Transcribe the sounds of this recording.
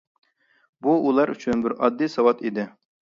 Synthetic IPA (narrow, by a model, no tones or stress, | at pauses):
buulˠɑɾyt͡ʃʰynbɪɾɑd̪ːisɑwɑt̪id̪ɪ